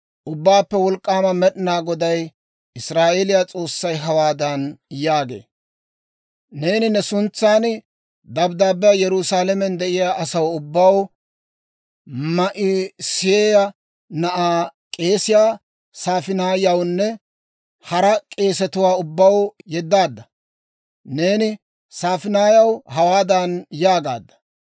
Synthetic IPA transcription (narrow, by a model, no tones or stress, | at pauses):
ʔʊbːaːpːɛwɔlkʼːaːmɐmɛɗɪnaːɡɔd̪ɐj | ʔɪsɾaːʔeːlɪjat͡sʼo̞ːsːɐjɦɐwaːd̪ɐnjaːɡḛː | ne̞ːnɪnɛsʊnt͡sːaːn | d̪ɐbd̪aːbɪjɐjɛɾʊsaːlɛmɛnd̪ɛʔɪjaːʔɐsɐwʊbːɐw | mɐʔɪsɪjeːjɐ | nɐʔaːkʼe̞ːsɪjaː | saːfɪnaːjɐwnːɛ | hɐɾɐkʼe̞ːsɛt̪ʊwaːʊbːɐwjɛd̪ːaːd̪ːɐ | ne̞ːnɪ | saːfɪnaːjɐwhɐwaːd̪anjaːɡa̰ːd̪ːɐ̥